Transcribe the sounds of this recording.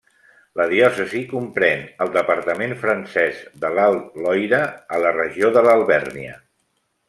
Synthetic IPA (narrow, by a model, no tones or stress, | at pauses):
ləðiɔsəzikumpɾɛnəlˠd̪əpəɾt̪əmenfɾənsɛzðəlalˠlɔjɾəːlərəʒioðələlˠβɛrniə